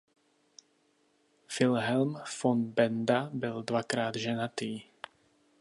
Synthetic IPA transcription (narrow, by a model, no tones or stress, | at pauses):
fɪlɦɛlmfɔnbɛnd̪abɪld̪vakɾaːd̪ʒɛnat̪iː